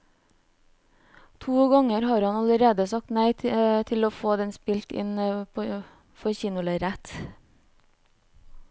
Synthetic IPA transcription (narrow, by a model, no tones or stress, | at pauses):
t̪ʰuːɡɑŋəɾhɑːɾhɑnɑləɾeːd̪əsɑk̚t̪næɪt̪ʰɪloːfoːd̪ɛnspɪlt̪ɪ̰npʰo | fɔɾçiːnʊlæɾæt̪